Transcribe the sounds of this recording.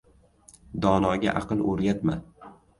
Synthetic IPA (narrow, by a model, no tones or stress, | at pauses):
d̪ɒnɒɡʲa̰ʔɑqɨlˠoɾɡʲat̪ma